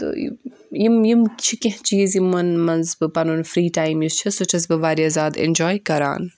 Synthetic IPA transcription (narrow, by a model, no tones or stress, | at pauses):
t̪o̰ːj̰ | jimjimt͡ʃʰikʲɐɦt͡ʃiːzjimːɐnmɐnzbɨpɐnunfɾiːʈaːjmjust͡ʃʰɐsot͡ʃʰɐsbɨʋaːɾiɐzaːd̪ḛnʲd͡ʒɔːjkɐɾa̰ːn